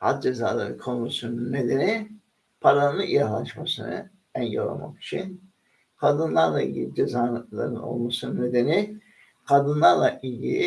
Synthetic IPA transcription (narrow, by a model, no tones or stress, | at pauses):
ha̰t̪̚d͡ʒezaːlˠa̰ɾɯkʰo̞nusununnːe̞d̪e̞ni | pʰaɾanɯnɯijaɦlˠaʃmasɯnɯ̰ | ænjo̰ɾa̰ma̰ki̥t͡ʃʰin | kʰad̪ɯnlˠaɾlˠailʲɟilʲid͡ʒezaːlˠa̰ɾɯno̞̰lˠmasɯnɯne̞d̪e̞ni | kʰad̪ɯnlˠaɾlˠaʔilʲɟilʲi